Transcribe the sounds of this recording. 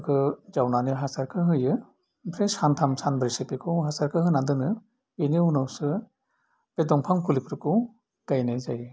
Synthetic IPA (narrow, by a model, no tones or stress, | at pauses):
kʰɯzawnaniɦasaɾkʰɯɦɯjɯ | bɾesantʰamsanbɾisipikʰɯwɦasaɾkʰɯhɯnadɯnɯ | eniunawsɯ | b̥edɔŋpʰaŋkulipʰɾɯkʰuw | ɡ̥ajnezajɯ